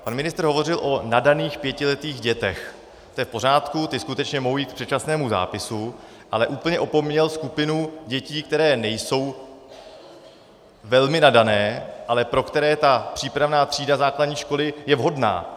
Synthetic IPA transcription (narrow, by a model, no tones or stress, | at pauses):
panmɪnɪst̪rɦo̞vo̞rɪlʔo̞nadaniːxpjɛcɪlɛt̪iːɣɟɛt̪ɛx | t̪ojɛfpo̞ɾ̝aːt̪kut̪ɪskut̪ɛt͡ʃɲɛmoɦowjiːt̪̚k̚pr̥ɛt͡ʃasnɛːmuza̰ːpɪsu | ʔalɛʔuːpl̩ɲɛʔo̞po̞mɲɛlskupɪnuɟɛciːk̚t̪ɛɾɛːnɛjso̞w | vɛlmɪnadanɛːʔalɛpɾo̞kt̪ɛɾɛːt̪apr̥iːpɾavnaːt̪r̝̥iːdazaːkladɲiːʃko̞lɪjɛvɦo̞dna̰ː